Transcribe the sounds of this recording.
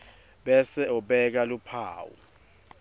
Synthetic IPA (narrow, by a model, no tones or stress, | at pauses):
ɓɛsɛɔɓɛk̬alupʰa̰ːwṵ